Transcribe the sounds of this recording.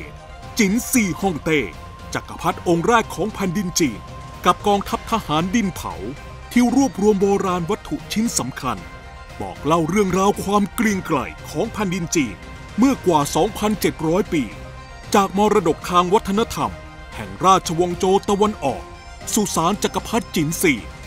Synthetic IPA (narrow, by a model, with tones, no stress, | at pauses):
t͡ɕi˨˩˦nsiː˨˩hɔ˥˩ŋt̪eː˥˩ | t͡ɕa˨˩ka˧pʰa˦˥t̪̚ʔo˧ŋɾɛː˥˩t̪̚kʰɔː˩˦ŋpʰɛ˧ndi˧nt͡ɕiː˧n | ka˨˩p̚kɔː˧ŋt̪ʰa˦˥p̚t̪ʰa˧haː˩˦ndi˧np̪ʰa̰˩˦w | t̪ʰiː˥˩ɾuː˥˩əp̚ɾu˧əmboː˧ɾaː˧nwa˦˥t̪ʰːu˨˩ʔt͡ɕʰi˦˥nsa˩˦mkʰa˧n | bɔ̰ː˨˩k̚la˥˩wɾɯ˥˩əŋɾaː˧wkʰwaː˧mkli˧əŋkla̰˨˩jkʰɔː˩˦ŋpʰɛ˧ndi˧nt͡ɕiː˧n | mɯ˥˩ɐkwaː˨˩sɔː˩˦ŋpʰa˧nt͡ɕe˨˩t̪̚ɾɔː˦˥jpiː˧ | t͡ɕaː˨˩k̚mɔː˧ɾa˧do˨˩k̚t̪ʰaː˧ŋwa˦˥t̪ʰːa˧na˦˧˥t̪ʰa˧m | hɛ̰˨˩ŋɾaː˥˩t̪̚t͡ɕʰa˧wɔ˧ŋt͡ɕoː˧t̪a˧wa˧nʔɔ̰ː˨˩k̚ | su˨˩saː˨˦nt͡ɕa˨˩kːa˧pʰa˦˥t̪̚t͡ɕi˩˦nsiː˨˩